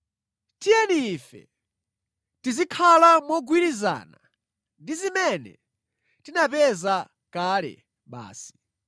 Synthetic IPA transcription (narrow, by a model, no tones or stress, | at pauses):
tijɛniːfɛ̰ | tizikʰalamɔɡwiɾiza̰ːna | ndizimɛnɛ̰ | tinapɛza | kalɛ̰ | ɓa̰ːsi̥